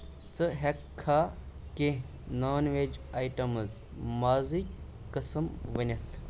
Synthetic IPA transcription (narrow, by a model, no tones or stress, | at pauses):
t͡sɨɦɐkʰːaːkẽ | naːnʋeːd͡ʒaːjʈɐmɐzmaːzikʲː | əsəmʋɐnʲɐt̪ʰ